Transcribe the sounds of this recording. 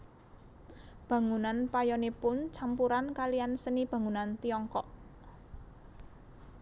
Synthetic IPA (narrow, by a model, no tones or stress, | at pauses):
b̥ä̤ŋunanpajɔnepʊnt͡ʃampuɾankalijansənib̥ä̤ŋunant̪iɔŋkɔʔ